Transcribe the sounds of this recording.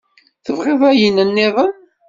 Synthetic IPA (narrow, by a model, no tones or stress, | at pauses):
θəvʁeðˤæjinənːɪðˤən